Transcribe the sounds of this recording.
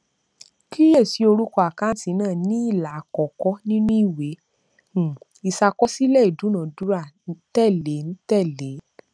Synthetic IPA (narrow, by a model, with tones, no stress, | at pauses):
ki˦je˦˨si˨˦o˧ɾu˦kɔ˧a˨ka˦ti˨˧˦nãː˦˨nĩ˦i˦˨la˨kɔ˨kɔ˦nĩ˦nũ˦i˦˨wẽ˨˦˨ | i˧sa˧kɔ˦si˦lɛ˦˨i˨du˨˦nã˨du˨˦ɾa˦˨n̩˦tɛ˦˨le˨˦n̩˦tɛ˦˨le˨˦